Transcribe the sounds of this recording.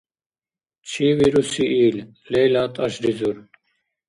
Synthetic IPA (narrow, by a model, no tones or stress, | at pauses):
t͡ɕʰiːwiɾusiʔiːl | leːlaːt̪ʰɐɕɖizuɾ